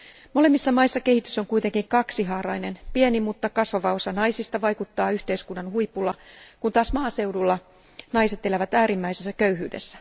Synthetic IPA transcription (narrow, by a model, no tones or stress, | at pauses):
mo̞lemːisːɑmɑisːɑke̞hit̪yso̞ŋkuit̪eŋkiŋkɑksiɦɑːɾɑinenpienimut̪ːɑkɑsʋɑʋɑo̞sɑnɑisist̪ɑʋɑjkut̪ːɑːyht̪eiskunːɑnhuipulːɑkunt̪ɑːsmɑːse̞wdulːɑ | nɑise̞t̪elæʋæt̪æːɾimːæisesːækøyhy̰ːdḛsːæ̥